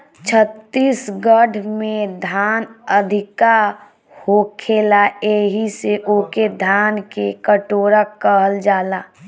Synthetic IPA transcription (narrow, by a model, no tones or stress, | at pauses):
t͡ʃʰət̪ːiːsɡəɖʱmẽd̪ʱaːnəd̪ʱɪka | hokʰeːlaeɦiseʔoked̪ʱaːnkekəʈoːɾakəɦəld͡ʒaːlaː